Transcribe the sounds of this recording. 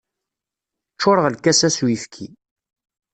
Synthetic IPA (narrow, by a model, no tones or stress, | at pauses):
t͡ʃːʊɾəʁlkːæsæswifkʰḭ